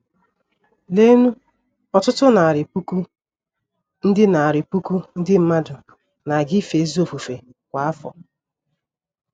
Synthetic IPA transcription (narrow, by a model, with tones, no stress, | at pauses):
le˦nu˦ | ɔ˨tʊ˦tʊ˦na˨ɾɪ˨pu˦ku˦ | n̩˦dɪ˦na˨a˨ɾɪ˨pu˦ku˦n̩˦dɪ˦m̩˦ma˦dʊ˨ | na˨ɡi˦fe˨˦zo˦˨fu˨fe˨ | kʷa˨a˦fɔ̰˨